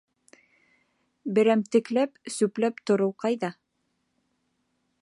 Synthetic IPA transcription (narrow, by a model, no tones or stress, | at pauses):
bɘ̆ɾæmt̪ɘ̆klæpsʉplæpt̪ŏɾɤwqɑjðɑ